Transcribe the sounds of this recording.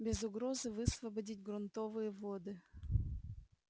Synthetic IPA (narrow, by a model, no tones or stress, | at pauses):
bʲɪzʊɡɾozɨvɨsvɐbɐdʲitʲɡɾʊnt̪ovɨjəvod̪ɨ